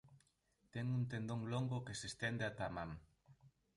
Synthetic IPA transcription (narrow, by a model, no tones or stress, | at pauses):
t̪ɛŋunt̪end̪oŋloŋɡokesest̪end̪eat̪amaŋ